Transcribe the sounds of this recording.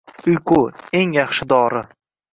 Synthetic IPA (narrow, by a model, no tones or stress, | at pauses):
ʊjqʰʊe̞ŋjɑχʃɪd̪ɒːɾɪ